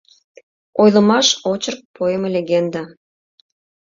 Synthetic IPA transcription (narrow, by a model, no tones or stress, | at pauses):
ojlˠɤ̆mɑʃot͡ɕərk̚pʰojəmlʲeɣend̪ɑ